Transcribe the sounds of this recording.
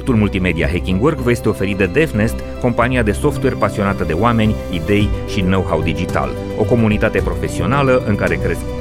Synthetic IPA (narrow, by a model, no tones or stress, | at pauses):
k̚t̪ulmult̪ime̞d̪ia̰ɦekʲiŋɡworɡvəjest̪eo̞fe̞ɾid̪ed̪efnest̪ | ko̞mpaniad̪e̞so̞ft̪we̞rpasio̞nat̪əd̪e̞oame̞nʲ | id̪e̞jʃino̞wɦawd̪id͡ʒit̪a̰l | o̞ko̞munit̪at̪e̞pɾo̞fe̞sio̞naləʔɨŋkaɾe̞kɾe̞s